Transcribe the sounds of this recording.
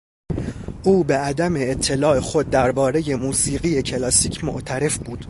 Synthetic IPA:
ʔuːbe̞æd̪æme̞ːt̪ʰːe̞lɒːe̞xo̞d̪̚ːæɾbɒːɾe̞je̞muːsiːɣije̞cʰe̞lɒːsiːcʰmo̰ʔt̪ʰæɾe̞fbuːd̪̥

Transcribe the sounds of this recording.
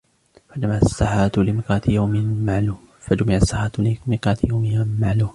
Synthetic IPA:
fad͡ʒamaʕasːaħaːt̪lɪmɪqɑːt̪jawmɪmaʕluːm | fad͡ʒamɪʕasːaħaːt̪lɪmɪqɑːt̪jawmɪmaʕluːm

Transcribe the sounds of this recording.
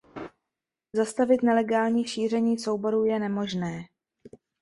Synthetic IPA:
zast̪avɪt̪nɛlɛɡaːlɲiːʃiːr̝ɛɲiːso̞wbo̞ɾuːjɛnɛmo̞ʒnɛː

